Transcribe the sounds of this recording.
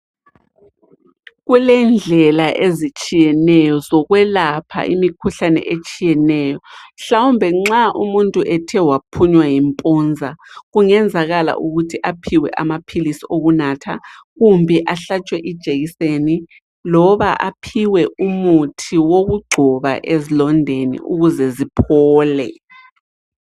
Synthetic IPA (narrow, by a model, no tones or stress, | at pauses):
ɣulɛnd͡ɮʱɛlaʔezit͡ʃʼijɛnɛjɔzɔɣwɛlapʰa̰ʔḭmikʰuɬanɛ̰ʔet͡ʃʼijɛnɛjɔɬawumbʱɛŋ͡ǁaʔumuntʼuʔɛtʰɛwapʰuɲwajimpʼɔnd͡zʱaɣuŋɛnd͡zʱaɣala̰ʔuɣutʰiʔapʰiwɛ̰ʔamapʰilisioɣunaːtʰa̰ | ɣumbʱɛʔaɬat͡ʃʼwɛʔid̥ʒ̥ʱeɣiseni | lɔβaʔapʰiwɛʔumutʰiwoɣuɡ͡ǀʱɔβa̰ʔezilɔndʱenḭʔuɣuzɛzipʰɔːlɛ̰